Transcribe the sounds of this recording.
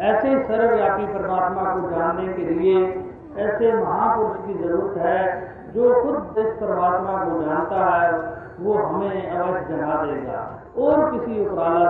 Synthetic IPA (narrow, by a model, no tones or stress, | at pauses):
ɛːsesəɾɾaːpiːpəɾmaːt̪mãːkoːd͡ʒaːnnekeːlɪeː | ɛːseːməɦãːpʊɾʊʃkiːzəɾuːɾət̪ɦɛː | d͡ʒoːkʰʊd̪t̪eːspəɾmaːt̪mãːkod͡ʒaːlt̪aːɦɛː | ʋoːɦəmẽːəʋəʃd͡ʒənaːd̪eːɡa̰ː | ɔːɾkɪsiʊpɾaːlə